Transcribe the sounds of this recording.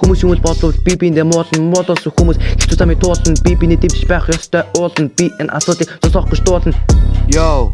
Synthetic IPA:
xumuːsumuːɮpɔsɞ̆wt̪pʲipint̪eːmʊːɮə̆nmʊɮʊːsə̆ŋxumuːsxe̥t͡s̪uːsʰamiːk̚t̪ʰʊːɮə̆npipinet̪ʰemt͡ɕpæːχjɔst̪ʰœːʔʊːɮə̆npiʔenʔa̰sʊːt̪ɮʲiːkt͡sʊsɔ̆χɡə̆t͡ɕt̪ʊːɮə̆njow

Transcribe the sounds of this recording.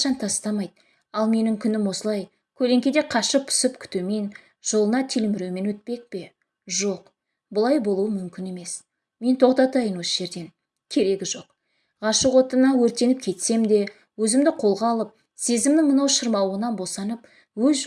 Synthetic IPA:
ʃɑnt̪ʰɑst̪ɑmɑjd̪̚ | ɑlˠme̞nɪŋkʲʰʏnɪmwo̞səlˠɑj | kʲʰɵle̞ŋkʲed̪e̞qʰɑʃəpʰʊ̥sɪpkʲʰʏ̥t̪eme̞n | ʒ̥o̞lˠənɑt̪ʰilɪmɪɾewme̞nwɵt̪̚pe̞k̚pe̞ | ʒo̞q | bʊlˠɑjbo̞lˠuwəmʏmkʲɪne̞me̞s | me̞nt̪ʰo̞qt̪ɑt̪ɑjənwo̞səʒe̞ɾd̪e̞n | kʲʰe̞ɾe̞ɡʲɪʒo̞q | ʁɑʃəqwo̞t̪ənɑwɵɾt̪e̞nɪp̚kʲʰe̞t̪se̞md̪e̞ | wɵzɪmd̪ɪqʰo̞lˠʁɑlˠəp̚ | se̞zɪmd̪ɪŋmənɑwʃəɾmɑwəʁənɑnbo̞sɑnəp̚ | wɵz

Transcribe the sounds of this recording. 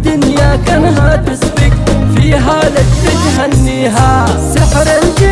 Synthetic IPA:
d̪ʊnjaːkɐnɦaːt̪ɪsbɪkfiːɦaːlɐt̪fɪd͡ʒɦɐnːiːɦaː | sɪħɾɐnd͡ʒ

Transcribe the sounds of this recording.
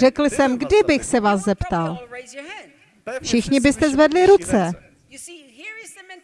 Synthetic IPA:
ɛkl̩sɛmɡdɪbɪxsɛvaːszɛpt̪al | fʃɪxɲɪbɪst̪ɛzvɛdlɪɾut͡sɛ

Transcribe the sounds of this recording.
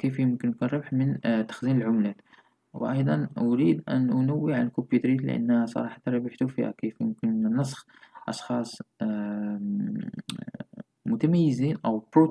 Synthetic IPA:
kifjəmkənkunɾˤɑbħmənt̪ːḁxzinəlʕʊmlæt̪ | wʔɑjd̪ˤɑnʊɾid̪ʔæ̰nʔʊnæwːiʕanəlkobjut̪ɾit̪lə̰ʔæ̰nːhæsˤɑ̰ɾˤɑħɑt̪ɑɾˤɑbəħt̪ufihæ̰kifjʊmkənnːɑs̬ˤx | ʔɑ̰ʃxɑsˤ | mʊt̪æmæjːəziːnʔæwbɾu

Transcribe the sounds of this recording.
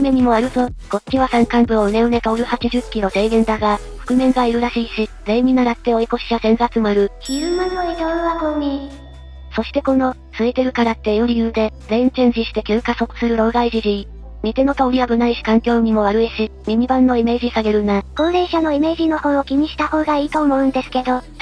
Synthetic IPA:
me̞ɲ̟imo̞aɾɯ̟t̪o̞ɡ̥o̞̥t͡ɕʲiβasãŋkãmbɯ̟oɯ̟ne̞ɯ̟ɾe̞t̪aoɾɯ̟hat͡ɕiʑɨkʲːino̞zeːɡẽ̞nd̪aɡa | ɸɯ̥kɯ̟mẽ̞ŋɡaiɾɯ̟ɾaɕiːɕid͡zẽ̞ɲʲinaɾat̪ːe̞o̞iko̞ɕi̥t͡ɕasẽ̞ŋɡat͡sɨmaɾɯ̟çiɯmanoit̪oɯβakomʲi | so̞ɕi̥t̪e̞ko̞no̞ | sɨet̪e̞ɾɯ̟kaɾat̪ːe̞joɾʲijɯ̟ːd̪e̞zẽ̞ɲt͡ɕẽɲ̟ʑiɕi̥t̪e̞kʲɨːkaso̞kɯ̟̥sɨɾɯ̟ɾo̞ːɡaiʑiʑii | mʲit̪eno̞t̪aoɾʲiabɯ̟naiɕi̥kãŋkʲo̞ːɲ̟imo̞βaɾɯ̟eɕimʲimʲibãnːo̞ime̞ːʑisaɡe̞ɾɯ̟nako̞ːɾe̞ːɕano̞ime̞ːʑino̞ho̞ːokʲiɲ̟iɕi̥t̪aho̞ːɡaiːt̪o̞ːmo̞ɯ̟̃nd̪e̞sɨ̥ke̞d̪o̞

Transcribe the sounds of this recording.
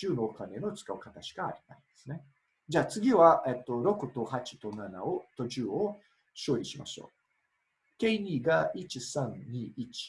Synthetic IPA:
ɨːno̞ːkane̞no̞t͡sɨ̥kaɯ̟kat̪aɕi̥ka̰ːɾʲit̪a̰ĩnd̪e̞̥sɨne̞ | d͡ʑaːt͡sɨɡʲiβaʔet̪ːo̞ɾo̞kɯ̟t̪o̞hat͡ɕi̥t̪o̞nana̰ot̪o̞t͡ɕɨːo̞ | ɕo̞ːiɕima̰ɕo̞̰ː | ke̞iɲ̟iːɡait͡ɕisãnɲiːit͡ɕi̥

